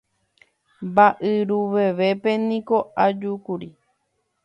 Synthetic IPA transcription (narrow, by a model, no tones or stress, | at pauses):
mbaʔɨɾuʋe̞ʋe̞pe̞nĩko̞ad͡ʒukuɾi